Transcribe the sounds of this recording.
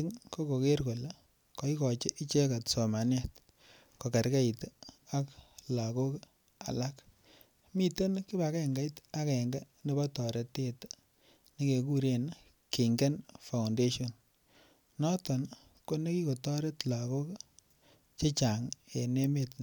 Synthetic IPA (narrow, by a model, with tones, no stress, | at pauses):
i˦ŋko˦ko˨ke˦ɾko˨la˦ | ko˨i˦kɔ˨t͡ʃe˦ʔi˦t͡ʃe˦ka˨tsɔ˨ma˨na˦t | ko˨ka˨ɾka˦i˨ta˦kla˨ko˦k | a̰˨la˦k | mi˦te˦nki˦ba˨kɛ˨ŋɡa˦jta˦kɛ˨ŋɡa˦ne˦ba˦tɔ˨ɾe˦tːe˦t | ni˦ke˨ku˦ɾe˨n | ke˨ŋɡe˦nfa˨wnde˦ʃo˨n | nɔ˦tɔ˨n | ko˦ne˦ki˦ko˨tɔ˦ɾe˦tla˨ko˦k | t͡ʃe˦t͡ʃa˨ŋe˨ne˦me˦t